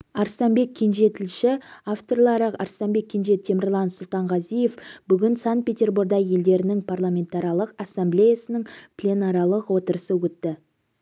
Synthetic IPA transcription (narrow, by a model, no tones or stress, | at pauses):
ɑɾst̪ɑmbe̞kʲʰːe̞nʒe̞t̪ʰɪlʃɪaft̪orlˠɑɾəqɑ̰ɾst̪ɑnbe̞kʲʰːe̞nʒe̞t̪ʰe̞mɪrlˠɑnsʊlˠt̪ɑɴʁɑzije̞fb̥ʏɡʲɪnsant̪̚pʲe̞t̪ʲe̞rbuɾɡd̪ɑje̞ld̪e̞ɾɪnɪŋpʰarlˠamʲe̞nt̪ɑɾjɑlˠəqasːamblʲejasənəŋpʰlʲe̞nɑɾɑlˠəqwo̞t̪əɾəsəwɵt̪ːɪ